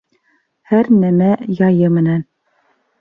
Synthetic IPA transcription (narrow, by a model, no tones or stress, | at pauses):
hæɾnæmæjɑjɤmɘ̆næn